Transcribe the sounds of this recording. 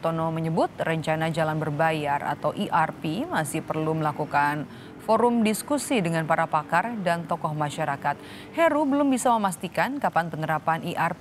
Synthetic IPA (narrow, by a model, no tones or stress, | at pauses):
t̪onɔməɲəbʊt̪̚rəɲt͡ʃanad͡ʒalanbərbajara̰t̪awʔiʔarpimasɪhpərluməlakukan | foɾʊmdiskusidəŋanpaɾapakardant̪ɔkɔhmaʃaɾakat̪̚ | hɛɾubəlʊmbisaməmast̪ikankapanpənəɾapanʔiʔar